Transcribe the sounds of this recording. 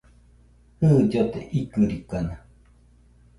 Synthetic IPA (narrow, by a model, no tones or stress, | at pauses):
hɨːd͡ʒot̪ḛʔikɨɾikana